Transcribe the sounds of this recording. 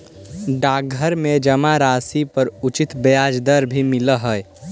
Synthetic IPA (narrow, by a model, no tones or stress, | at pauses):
ɖaːɡʱəɾmed͡ʒəmaɾaːsipəɾʊt͡ʃɪt̪bəjaːd͡ʒd̪əɾbʱimɪləɦəj